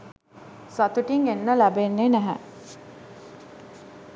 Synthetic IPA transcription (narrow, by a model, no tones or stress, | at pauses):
sat̪uʈiŋenːəlæbenːenæɦæ̰